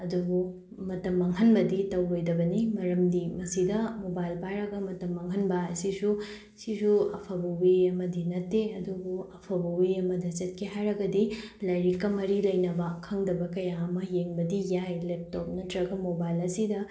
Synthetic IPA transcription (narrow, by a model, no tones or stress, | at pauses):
ɐduɡu | mɐtɐmːɐŋɦɐnbɐditɐwojdɐbɐnimɐɾɐmdimɐsidɐmobajlpajɾɐɡɐmɐtɐmːɐŋɦɐnbɐɐsisu | sisuɐpʰɐbɐwiɐmɐdinɐtːeɐduɡuɐpʰɐbɐiɐmɐdɐzɐt̚kʰeɦajɾɐɡɐdilɐjɾikːɐmɐɾilɐjnɐbɐkʰɐŋdɐbɐkɐjaːmɐjeŋbɐdijajlep̚tɔp̚nɐtɾɐɡɐmobajlɐsidɐ